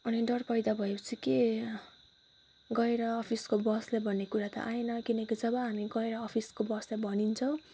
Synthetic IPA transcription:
ʌniɖʌrpʌjd̪abʱʌepʌt͡sʰike | ɡʌeɾʌːpʰiskobʌslajbʱʌnːekuɾat̪ʌ̰ʔaenʌkinʌkid͡zʌbʌɦamiɡʌeɾʌːpʰiskobʌslajbʱʌnint͡sʰʌw̃

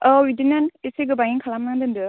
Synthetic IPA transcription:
ɔwidinaniseɡɯbaŋiŋkʰalamnaŋdɯndɯ

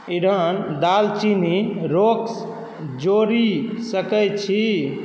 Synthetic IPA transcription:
iɽənd̪alt͡ʃiniɾok | d͡ʒoɾisəkɛjt͡ʃʰi

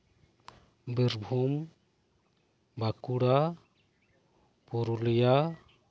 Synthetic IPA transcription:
biɾbʱum | bakuɽa | puɾulija

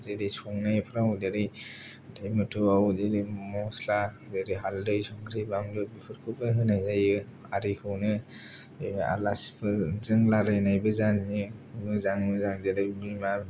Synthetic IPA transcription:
zeɾejsʰɔŋnajpʰaɾaŋudeɾɯj | dajmɯtʰɯawzeɾemɔsla | deɾɯɦaldɯjsɔŋkʰɾɯjbaŋlɯbipʰɯɾkʰɯbɯnɦɯnajzajɯ | aɾikʰɯwnɯ | a̰lasi̥pʰɯzɯŋlaɾɯjnajbɯzanzinɯzaŋnɯzaŋzeɾɯjmima

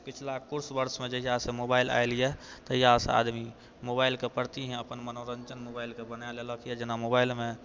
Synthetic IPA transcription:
kɪt͡ʃʰlakʊɾsbəɾsmẽd͡ʒəɦijasemobaila̰elijɛt̪əjasḛa̰d̪mi | mobaɪlkepəɽt̪iɦɛ̃əpənmənoɾənt͡ʃənmobaːilkebənaleləkʰjɛd͡ʒɪnamobailmẽ

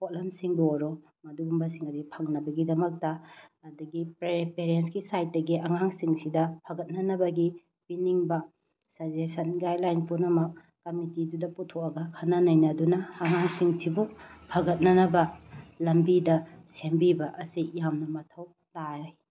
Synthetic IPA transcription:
potlɐmsiŋdoɾo | mɐduɡumbɐsiŋɐdipʰɐŋnɐbɐɡidɐmɐk̚tɐːdɐɡipɾepeɾensɡisajt̚dɐɡiʔɐŋaŋsiŋsidɐpʰɐɡɐt̚nɐnɐbɐɡi | biniŋbɐ | sɐd͡ʒesɐnɡajlajnpunɐmɐk̚ | kɐmitidudɐputʰok̚ɐɡɐkʰɐnːɐnɐjnɐdunɐːŋaŋsiŋsibupʰɐɡɐt̚nɐnɐbɐlɐmbidɐsembibɐʔɐsijamnɐmɐtʰɐw | taɾaj

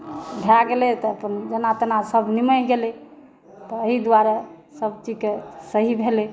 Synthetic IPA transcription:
bʱaɡelɛt̪ɔəpənd͡ʒənat̪nasəbʱniməɦɡelɛ | t̪ɔːɦid̪waɾa | səb̚t͡ʃikesəɦibʱele

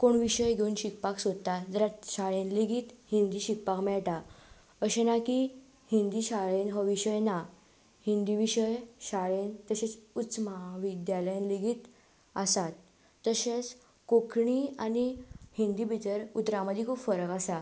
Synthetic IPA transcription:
koɳʋiɕəjɡʱeunɕik̚paksod̪̚t̪ad͡zəɾat̪ɕaɭẽnleɡiːt̪hĩnd̪iːɕik̚pakmɛɭʈa | əɕenaki | hind̪iːɕaɭenɦɔʋiɕəjna | hĩnd̪iʋiɕəjɕaɭent̪əɕet͡sut͡smaʋid̪jaləjnleɡiːt̪ | əsat̪ː | əɕet͡s | kokʰɳianihind̪iːbʱit̪əɾut̪ɾãməd̪ʱjekʰuːpfəɾəkasa

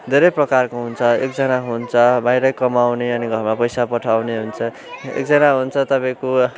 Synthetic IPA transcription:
d̪ʱeɾʌjprʌkarkoɦunt͡sʰʌek̚d͡zʌnaɦunt͡sʰʌbajɾʌkʌmawneʌniɡʱʌrmapʌjsapʌʈʰawneɦunt͡sʰʌ | ḛk̚d͡zʌnaɦunt͡sʰʌt̪ʌpaj̃ko

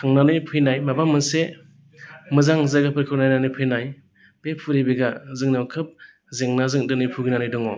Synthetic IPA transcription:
kʰaŋnanɯjpʰɯjnajmabamɯnse | mɯzaŋzaɡapʰɯɾkʰɯwnajnanɯjpʰɯjnaj | b̥epʰuɾibiɡazɯŋnawkʰɯp̚ | zeŋnazɯŋdɯnɯjpʰuɡinanɯjdɔŋɔ

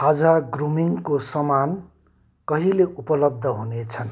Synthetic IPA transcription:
had͡zaɡrumiŋkosʌman | kʌɦileʔupʌlʌb̚d̪ʱʌɦunet͡sʰʌn

